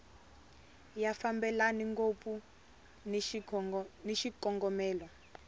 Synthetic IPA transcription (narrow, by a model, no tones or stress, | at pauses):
jafambɛlaniŋɡopʼu | niʃikɔŋɡɔmɛːlɔ